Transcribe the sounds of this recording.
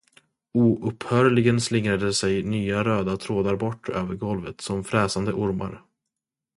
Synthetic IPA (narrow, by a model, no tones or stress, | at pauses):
uːʔɵphœːɾɭɪɡənslɪŋɾad̪əsɛjnyːaɾøːd̪at̪ʰɾoːd̪aɾbɔʈʰːø̰ːvəɾɡɔlvət̪sɔmfɾɛːsand̪əʔʊɾma̰ɾ